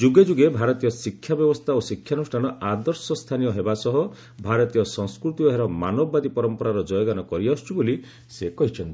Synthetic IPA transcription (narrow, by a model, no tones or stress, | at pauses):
d͡ʒuɡed͡ʒuɡebʱaɾɔt̪ijɔsikʰjabjɔbɔst̪ʰaosikʰːjanusʈʰañɔad̪ɔɾsɔst̪ʰanijɔɦebasɔɦɔ | bʱaɾɔt̪ijɔsɔŋskɾut̪iɔɦeɾɔmanɔbɔːad̪ipɔɾɔmpɔɾaɾɔd͡ʒɔjɔɡanɔkɔɾiast͡ʃʰubuli | sekɔɦit͡ʃʰɔnt̪ii